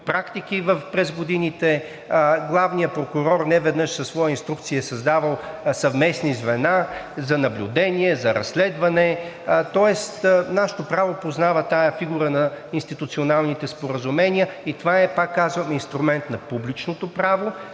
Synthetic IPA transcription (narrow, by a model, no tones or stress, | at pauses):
pɾakt̪ikivəfpɾɛzɡod̪init̪ɛ | ɡlˠavnijəpɾokuɾɔɾnɛvɛd̪nɤʃsɐsvɔjəinst̪ɾuk̚t̪siəsɐzd̪avɐlˠsɐvmɛsnizvɛnazɐnɐblʲud̪ɛniɛzɐɾɐ̰sːlɛd̪vɐnɛ | t̪ɔɛst̪naʃɛ̥t̪opɾavopoznavɐt̪ajəfiɡuɾənɐinst̪it̪ut̪sionalˠnit̪ɛspoɾəzumɛniəit̪ovaɛpakːazvɐmɛinst̪ɾumɛnt̪nɐpublit͡ʃnot̪opɾavo